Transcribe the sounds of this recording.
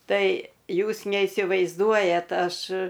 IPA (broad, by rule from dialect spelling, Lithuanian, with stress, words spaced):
ˈtɐɪ ˈjuːs nʲɛɪsʲɪʋɐɪzˈduɔjɛt ˈɐʃ